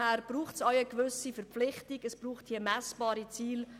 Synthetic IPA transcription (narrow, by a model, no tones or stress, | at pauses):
hæːɾb̥ɾuːχtsajəkʋʏsifəɾp͡flɪχtiɡəsb̥ruːχthiːəmɛsb̥ɑːɾit͡siːl